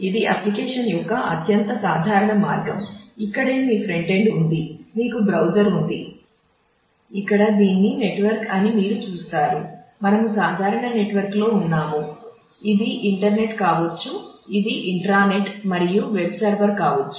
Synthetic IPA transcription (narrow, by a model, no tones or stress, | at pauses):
id̪iʔɐplikeːʂɐnjɔkɐʔɐt̪jɐnt̪ɐsaːd̪ʱaːɾɐɳɐmaːɾɡɐmikːɐɽeːmiːpʰɾeɳʈe̞ɳɖund̪iniːkubɾɐwd͡ʒɐɾund̪i | ikːɐɽɐd̪iːnːine̞ʈʋɐɾkɐnimiːɾut͡ʃuːst̪aːɾumɐnɐmusaːd̪ʱaːɾɐɳɐne̞ʈʋɐɾklo̞ːunːaːmu | id̪iʔiɳʈɐɾne̞ʈkaːʋɐt͡ʃːuid̪iʔiɳʈɾaːne̞ʈmɐɾijuʋebsɐːɾbɐɾkaːʋɐt͡ʃːu